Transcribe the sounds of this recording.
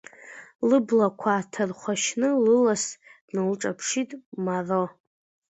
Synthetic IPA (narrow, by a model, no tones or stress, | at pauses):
lɨblakʷʰatʰɨrχʷaʃnɨlɨlasd̥nɨlʈ͡ʂʼapʰʂitʼmaro